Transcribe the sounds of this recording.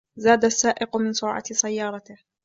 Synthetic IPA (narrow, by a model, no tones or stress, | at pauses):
zaːd̪asːaːʔɪqʊmɪnsʊɾʕɑ̰sajːɑːɾˤɑt̪ɪh